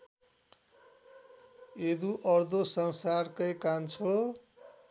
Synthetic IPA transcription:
ed̪uʔʌrd̪osʌnsarkʌjkant͡sʰo

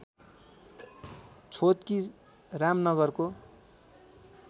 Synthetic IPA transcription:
t͡sʰot̪ki | ramnʌɡʌrko

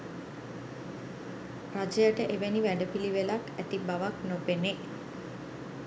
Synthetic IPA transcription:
rad͡ʒəjəʈəʔeʋeniʋæɳɖəpiliʋelakæt̪ibaʋaknopene

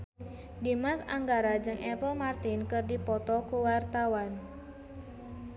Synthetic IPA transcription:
dimasa̰ŋɡaɾad͡ʒɨŋʔɛpəlmart̪ɪnkɨrdipɔt̪ɔkuwart̪awan

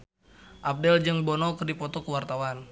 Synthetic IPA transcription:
ʔap̚dɛld͡ʒəŋbɔnɔkərdipɔt̪ɔkəwart̪awan

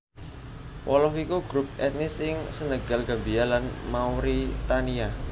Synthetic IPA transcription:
wʔɔlɔɦikuɡ̥ɾup̚ɛt̪̚nɪsɪŋsənəɡ̥a̤lɡa̤mbialanmauɾit̪ania

